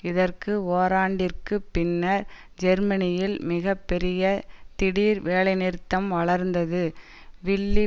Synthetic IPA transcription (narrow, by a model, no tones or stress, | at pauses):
ɪðɐrkɯoːɾaːɳɖɪrkɯpːɪnːɐɾ | d͡ʒɛɾmɐnɪjɪlmɪɣɐpːɛɾɪjɐt̪ɪɽiːɾʋeːlɐɪnɪɾt̪ːɐmʋɐɭɐɾnd̪ɐðɯ | ʋɪɭːi